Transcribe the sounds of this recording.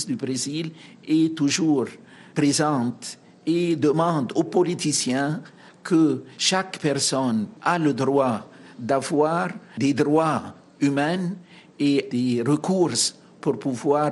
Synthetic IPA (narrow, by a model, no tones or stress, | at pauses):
sd̪ybʁezilɛt̪uʒuʁ | prezɑ̃t̪ | ed̪əmɑ̃d̪opɔlit̪isjɛ̃ | kʰəʃakpɛʁsɔnaləd̪ʁwad̪avwaːʁd̪ed̪ʁwa | ymɛn | ed̪eʁəkuʁs | puʁpuvwaː